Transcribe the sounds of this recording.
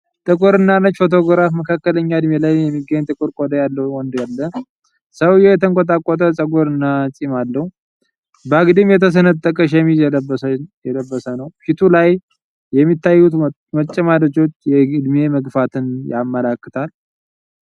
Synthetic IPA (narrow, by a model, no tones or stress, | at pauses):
t̪ʼɨkʼuɾɨnːanət͡ʃːfo̞t̪ʰo̞ɡɾafməkʰakːələɲːaɨd̪melajjɛmːiɡːəɲːt̪ʼɨkʼɨɾkʼod̪əjalːəhwɔnd̪jalːə | səwjɛjɛt̪ʰəŋkʼot̪ʼakʼːot̪ʼəsʼəɡoɾɨnːat͡sʼimalːəhu | bəaɡd̪ɨmjɛt̪ʰəs̬ənəd̪̚t̪ʼːəkʼəʃ̬aɛmːiɛləbəjɛləbːəsənəwfit̪ʰulajː | ɛmːit̪ʰːajːut̪ | mət͡ʃʼːɛmad̪ət͡ʃo̞t͡ʃːjɛɨd̪meməɡfat̪ʰɨnjamːəlakːɨt̪ʰal